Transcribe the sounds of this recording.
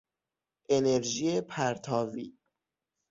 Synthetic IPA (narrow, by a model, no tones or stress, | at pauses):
ʔe̞neɾʒiːepʰæɾt̪ʰɒːvḭː